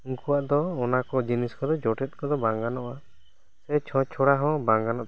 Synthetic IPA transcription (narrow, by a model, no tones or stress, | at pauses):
uŋkuwaʔd̪ɔːnakɔd͡ʒiniskɔd̪ɔd͡ʒɔʈɛt̪̚ˀkɔd̪ɔbaŋɡanɔʔa | sɛt͡ʃʰɔ̃t͡ʃʰɔɽaɦɔ̃baŋɡanɔʔt̪